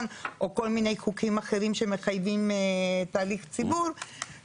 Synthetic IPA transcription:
nʔo̞ko̞lmine̞jχukimaχe̞ʁimʃe̞me̞χajvimt̪aːliχt͡sibuʁ

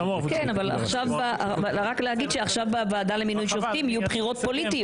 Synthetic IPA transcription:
kenavala̰χʃavbaʔaalʁaklehaɡid̪ʃeaχʃavbavaːd̪aleminujʃoft̪imijubχiʁo̞t̪̚po̞lit̪i

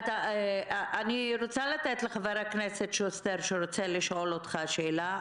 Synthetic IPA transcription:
t̪a | ʔaniɾot͡salat̪et̪leχaveɾakneset̪ʃost̪eɾʃeɾot͡seliʃʔo̞lot̪χaʃeːla

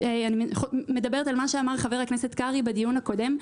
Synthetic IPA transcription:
eanimeχme̞d̪abe̞ʁet̪almaʃeamaʁχave̞ʁaknese̞t̪kaʁibedijunhako̞de̞m

